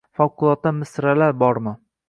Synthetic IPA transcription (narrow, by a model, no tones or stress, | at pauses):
fɒwqʰʊlˠɒt̪ːamɪsɾalaɾbɒɾmɪ